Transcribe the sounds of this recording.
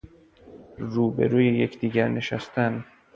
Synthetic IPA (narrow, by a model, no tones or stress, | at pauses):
ɾuːbe̞̰ɾuːjejecʰd̪iːɟæɾne̞ʃæst̪ʰæn